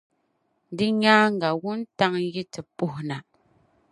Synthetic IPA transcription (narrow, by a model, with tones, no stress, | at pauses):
di˦ɲaː˦ŋ˨ɡa˨ɣu˦n̩˦ta˦ŋ˦ɣi˦tɛ˨pu˦hna˨